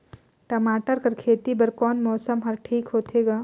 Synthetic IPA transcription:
ʈɐmaːʈəɾkɐɾkʰeːt̪ibɐɾkɔːnmɔːsəmɦɐɾʈʰiːkɦoːt̪ʰeːɡaː

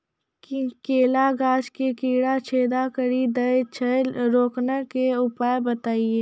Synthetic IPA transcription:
kkeːlaɡaːd͡ʒkekiːɽat͡ʃʰeːd̪akəɾid̪əet͡ʃʰəɾoːknəkeʊpaːebət̪aːieː

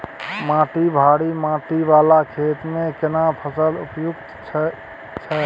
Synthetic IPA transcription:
mãʈibʱaɽimãʈiʋalakʰet̪mekenapʰəsəlṵpjuɡt̪ʰ | t͡ʃʰɛ

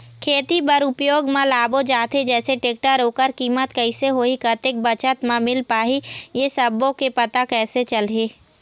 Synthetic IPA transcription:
kʰeːt̪ibɐɾʊpjoːɡmãlaːbod͡ʒaːt̪ʰed͡ʒɛːseʈeːk̚ʈaɾoːkəɾkiːmət̪kəiseɦoːikət̪ek̚bət͡ʃət̪mãmɪlpaːɦijesɐbːõkepɐt̪akɛːset͡ʃəlɦeː

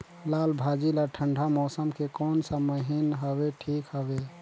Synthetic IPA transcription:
lalbʱad͡ʒilaʈʰəɳɖʱamɔsəmkekɔːnsəməɦinɦəbeʈʰikɦəbe

